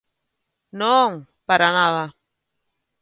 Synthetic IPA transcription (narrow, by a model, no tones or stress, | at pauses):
noŋ | paɾanaða